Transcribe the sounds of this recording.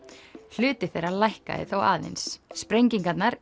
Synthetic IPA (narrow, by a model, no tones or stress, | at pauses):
l̥ʏːt̪ɪ̥θejɾalajhka̰ðɪ̰θowa̰ːðḛnsːpɾejɲciŋkat̪naɾ̥